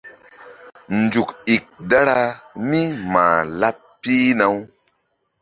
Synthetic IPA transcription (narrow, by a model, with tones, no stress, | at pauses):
nd͡ʒu˨ki˨k̚da˦ɾa˧mi˦ma̰ː˨la˦pː | i˦na˨˦w